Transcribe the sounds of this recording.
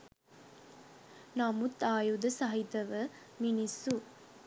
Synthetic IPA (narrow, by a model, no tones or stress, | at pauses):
namut̪ːaːjud̪ɐsɐɦit̪ɐʋəminisu